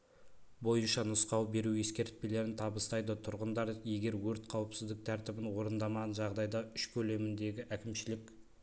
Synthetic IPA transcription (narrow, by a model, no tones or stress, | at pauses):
bo̞jənʃɑnʊsqɑwbe̞ɾuje̞skʲe̞ɾt̪̚pe̞le̞ɾɪnt̪ʰɑbəst̪ɑjd̪ət̪ʰʊɾʁənd̪ɑɾje̞ɡʲe̞ɾwɵɾt̪qʰɑwəpsɪzd̪ɪk̚t̪ʰæɾt̪ɪbɪnwo̞ɾənd̪ɑmɑʁɑnʒɑʁd̪ɑjd̪ɑʏʃkʲʰɵle̞mɪnd̪e̞ɡʲɪʔækʲɪmʃɪlɪk